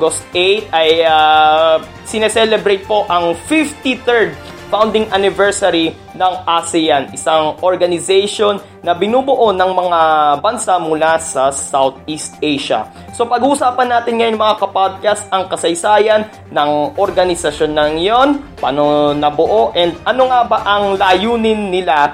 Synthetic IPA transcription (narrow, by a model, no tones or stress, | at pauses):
ɡost̪ʔejt̪̚ɐja | sɪnɛsɛlɛbɾejt̪̚po̞ʔɐŋfift̪it̪ɛɹd̪̚ | fawnd̪ɪŋʔanɪvɛɹsɐɾi | nɐŋʔasɪjanɪsaŋʔoɹɡɐnɪzɛjʃo̞nːɐbɪnuːbʊʔo̞nɐŋmɐŋabɐnsamʊlasɐsawt̪̚ist̪̚ʔejʃɐ̰ | so̞pɐɡhuːsaːpɐnːaːt̪ɪnŋɐjoɐmɐŋakɐpad̪̚kast̪ʔɐŋkɐsɐjsaːjɐnːɐŋʔoɾɡɐnɪsɐʃonːɐŋjonpa̰nonɐbʊʔoʔɛnd̪̚ɐno̞ŋabaʔɐŋlaːjuːnɪnːɪla